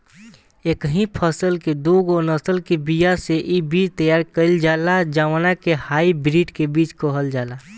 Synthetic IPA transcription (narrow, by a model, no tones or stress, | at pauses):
eːkɦĩpʰəsəlked̪uɡonəsəlkebijaseʔibiːt͡ʃt̪əjaːɾkəɪld͡ʒaːlad͡ʒaːʋanakehaːibɾiːɖkebiːt͡ʃkəɦəld͡ʒaːlaː